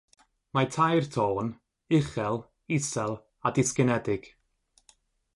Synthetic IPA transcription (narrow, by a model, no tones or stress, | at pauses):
matʰajrtʰoːn | ɪχɛlˠ | ɪsɛlˠ | adɪskənɛdɪɡ̥